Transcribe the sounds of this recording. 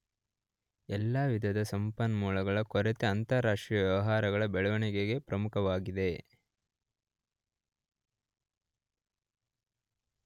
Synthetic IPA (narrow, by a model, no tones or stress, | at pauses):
ɛlːaːʋid̪ʱɐd̪ɐsɐmpɐnmuːlɐɡɐɭɐkɔɾet̪eɐnt̪ɐɾaːʂʈɾijɐʋjɛʋɐɦaːɾɐɡɐɭɐbɛɭɐʋɐɳiɡeɡe̞pɾɐmukʰɐʋaːɡid̪e̞